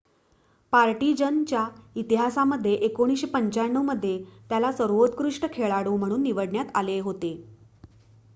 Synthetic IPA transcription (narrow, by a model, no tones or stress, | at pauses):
paɾʈid͡ʑənt͡ɕjait̪iɦasaməd̪ʱːjeʔekoɽ̃iːsɕepəɲt͡ɕaɳːəməd̪ʱːjet̪jalasəɾʋot̪kɾuʂʈəkʰeɭaɽum̤əɽ̃uːnːiʋəɽɳjat̪aleɦot̪e